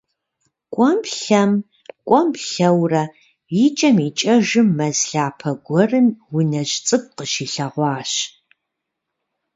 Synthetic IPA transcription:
kʷʼɔmpɬɐm | kʷʼɔmpɬɐwrɐ | jit͡ʃʼɐmit͡ʃʼɐʒɨmːɐzɬaːpʰɐɡʷɔrɨmwʊnɐʑt͡sʼɨk̚ʷʼqəʃiːɬɐʁʷɑːɕ

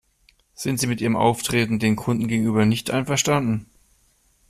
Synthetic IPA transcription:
z̥ɪntz̥iːmɪtʔiːʁəmʔa̰ʊftʁ̥eːtn̩deːnkʰʊndn̩ɡeːɡŋ̩ʔyːbɐnɪçtʔa̰ɪnfɛɐʃtandn̩

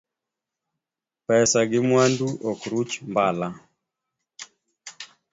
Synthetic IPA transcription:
pɛsaɡɪmwanduʔɔkɾut͡ʃmbala

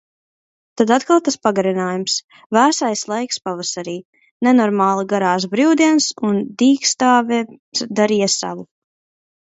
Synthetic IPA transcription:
t̪ad̪at̪kalˠt̪aspaɡaɾinaːjums | væːsajslˠajkspavasaɾiː | nɛnɔɾmaːlˠiɡaɾaːs̬bɾiwd̪iɛnsund̪iːkst̪aːvɛd̪aɾiːjasa̰vu

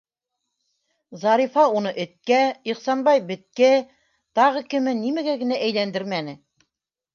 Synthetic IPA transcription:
zɑɾifɑunɤʔɘ̆t̪̚kæiχsɑnbɑjbɘ̆t̪̚kæ | t̪ɑʁɤkɘ̆mɘnimæɡæɡɘ̆næʔæjlænd̪ɘɾmænɘ

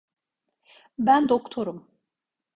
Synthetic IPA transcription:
bænd̪okt̪ʰoɾum

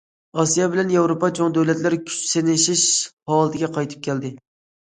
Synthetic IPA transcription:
ɑsijɑbɪlɛnjɑwɾopɑt͡ʃʰoŋd̪æwlɛt̪lɪɾkʲʰy̥t͡ʃsenɪʃɪʃhɑːlˠɨt̪ʰɪɡʲɛqʰɑjt̪ʰɨ̥p̚kʲʰɛld̪ɪ

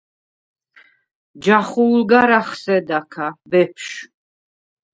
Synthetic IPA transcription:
d͡ʒaχulɡaɾaχsɛd̪akʰabɛpʰʃ

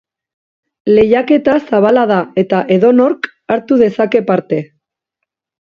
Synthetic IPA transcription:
le̞jake̞t̪asaβ̞alaðae̞t̪aʔe̞ðo̞no̞ɾk | aɾt̪uðe̞sake̞paɾt̪e̞

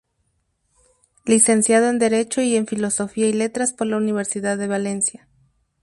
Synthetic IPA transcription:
lise̞nsjað̞o̞e̞nd̪e̞ɾe̞t͡ʃo̞ie̞ɱfilo̞so̞fiaile̞t̪ɾaspo̞ɾlauniβ̞e̞ɾsiðaðːe̞βale̞nsja

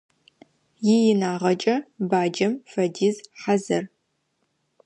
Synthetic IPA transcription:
jɪjɪnaːʁɐt͡ʃʼɐbaːd͡ʒɐmfɐdiːzħazɐr

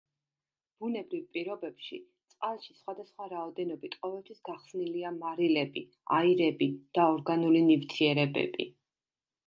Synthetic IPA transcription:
b̥unɛbɾivpʼiɾɔbɛpʃit̪sʼqʼalˠʃisχwad̪asχwaɾaɔd̪ɛnɔbit̪ʼqʼɔvɛlt̪ʰwisɡaχsniliamaɾilɛbi | a̰iɾɛbid̪̥aɔɾɡanulinivt̪ʰiɛɾɛbɛ̰bḭ

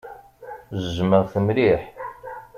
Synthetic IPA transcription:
zəzməʁθəmliħ

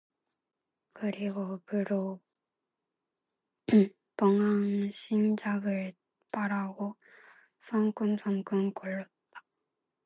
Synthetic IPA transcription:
kɯɾiɡopɯɾo | pʌŋaŋɕʰind͡ʑaɡɯɭ | paɾaɡo | sʰʌŋk͈unsʰʌŋk͈ɯmkoɭːʌt̚t͈ːḁ

